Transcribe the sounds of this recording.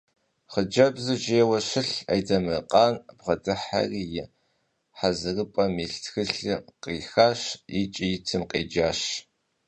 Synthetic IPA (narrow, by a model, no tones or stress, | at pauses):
χəd͡ʒɐbzɨʒeːwɐɕɪɬɐ̰jdɐmɨqʼɑːnbʁɐdɨħa̰riːjɪ | ħazɨrɨpʼɐmiːɬtxɨɬɨqeːxaːɕjɪt͡ʃʼijɪtʰɨmqḛːd͡ʒaːɕ